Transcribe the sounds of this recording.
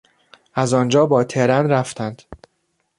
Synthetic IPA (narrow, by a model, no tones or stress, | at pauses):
ʔæzɒnd͡ʒɒːbɒːt̪ʰeɾænɾæft̪ʰænd̪̥